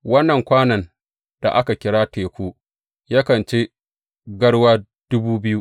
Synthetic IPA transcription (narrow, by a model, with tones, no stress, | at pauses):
wɐ˦nːɐ˨ŋkʷaː˦nɐ˨n | d̥a̰˨ʔa˦ka˨kʲɪ˦ɽaː˦teː˨kʷuː˦ | ja˦kɐ˨nt͡ʃeː˦ | ɡɐ˦ɽwaː˦ | d̥ʊ˦buː˦bɪ˦ju˦ʔ